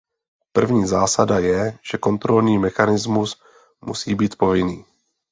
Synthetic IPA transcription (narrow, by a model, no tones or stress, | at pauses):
pr̩vɲiːzaːsadajɛʒ̥ɛko̞nt̪ɾo̞lniːmɛxanɪzmus | mṵsiːbiːt̪po̞vɪniː